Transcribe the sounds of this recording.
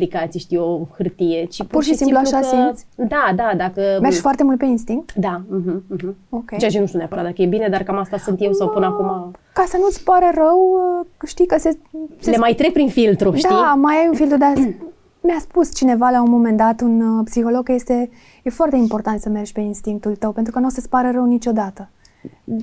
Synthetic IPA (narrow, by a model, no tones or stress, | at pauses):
likat̪siʃt̪ijo̞hɨrt̪ije̞t͡ʃippurʃisimpluaʃasisʲd̪ad̪ad̪akəme̞rʒʲfoart̪e̞mult̪pe̞inst̪iŋk̚t̪d̪aɦm̩ɦ̩o̞kʲejt͡ʃeat͡ʃenuʃt̪iuneapəɾat̪d̪akəjebine̞d̪arkamast̪asunt̪je̞wsawpɨnəakumakasənuɨt̪sʲpaɾerəwʃt̪ijkəseseemajt̪ɾeɡ̚pɾinfilt̪ɾuʃd̪iamajajunfilt̪ɾud̪a | mjaspust͡ʃine̞valaunmo̞me̞nd̪at̪unpsixo̞lo̞ɡje̞st̪e̞ | je̞foart̪e̞impo̞rt̪ant̪səme̞rʒʲpe̞inst̪iŋk̚t̪ult̪əwpe̞nt̪ɾukənosəspaɾərəwnit͡ʃo̞d̪at̪ə